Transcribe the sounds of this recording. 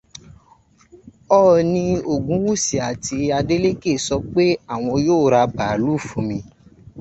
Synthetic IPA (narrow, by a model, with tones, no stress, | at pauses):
ɔ˦˧nĩ˧o˨ɡũ˨˦wu˦si˨a˨ti˧a˧de˦le˦ke˦˨sɔ˧k͡pe˦a˦˨w̃ɔ̃˧joː˦˨ɾa˧baː˨˦lu˦˨fũ˧mĩ˧